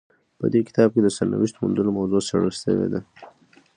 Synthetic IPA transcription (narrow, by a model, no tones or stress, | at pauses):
pə̰d̪ekɪ̥t̪ɑb̚ked̪əsaɾna̰wiʃt̪omund̪ənomawzosaɽəʃə̰wḛd̪a